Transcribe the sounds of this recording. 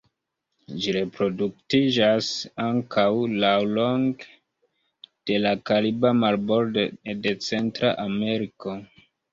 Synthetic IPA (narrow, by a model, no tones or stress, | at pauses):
d͡ʒiɾe̞pɾo̞duk̚tid͡ʒasaŋkʰawlawloŋɡ | d̥e̞lakalibamalboldede̞t͡se̞ntɾa̰ʔame̞ɾiko̞